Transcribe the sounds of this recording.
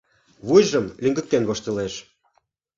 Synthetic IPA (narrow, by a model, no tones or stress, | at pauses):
βujʒə̆mliŋɡə̆k̚t̪enβoʃt̪ĕleʃ